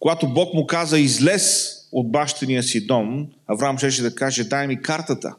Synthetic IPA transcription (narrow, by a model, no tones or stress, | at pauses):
koɡat̪obɔkmʊkazəizlɛsod̪̚baʃt̪ɛnijəsid̪ɔmɐvɾamʃɛʃɛd̪ɐkaʒɛd̪ajmikaɾt̪ət̪ə̰